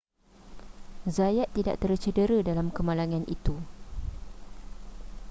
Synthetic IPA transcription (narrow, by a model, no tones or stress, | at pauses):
zajaʔt̪ːida̰ʔt̪ərt͡ʃədəɾədalamkəmãlaŋãnʔit̪u